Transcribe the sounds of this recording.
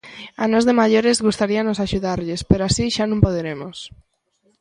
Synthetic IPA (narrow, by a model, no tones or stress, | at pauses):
anozðemaʎoɾezɣust̪aɾianosaʃuðaɾʎɪspeɾoasiʃanũmpoðeɾemos